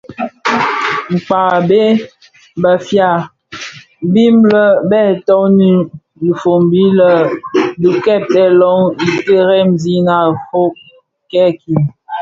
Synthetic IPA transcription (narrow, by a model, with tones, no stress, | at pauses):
ŋ͡m̩˨k͡pa˨be˦ | bə˨fja˨ | bi˦mblə˦bɛ˦˨tɔ˦ni˦ | i˨fo˨mbi˦lə˦˨du˨kɛ˦˨tɛ˦lɔ˦ŋi˨te˦ɾɛ˦˨mzi˦na˨fo˦ | kɛ˦˨ki˨m